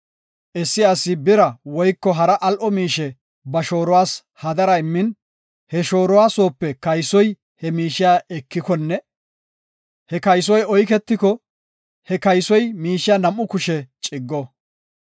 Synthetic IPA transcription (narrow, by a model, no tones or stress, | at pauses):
ʔɛsːɪɐsːɪbɪɾɐwɔjkːɔɦɐɾɐʔɐlʔɔmiːʃɛ | bɐʃo̞ːɾɔwaːs | hɐd̪ɐɾɐɪmːɪn | hɛʃo̞ːɾɔwaːso̞ːpːɛkɐjsɔj | hɛmiːʃɪjaːʔɛkːɪkɔnːɛ | hɛkɐjs̬ɔjɔjkɛt̪ːɪkɔ | hɛkɐjsɔjmiːʃɪjaːnɐmːʊkʊʃɛt͡ʃʼɪɡːɔ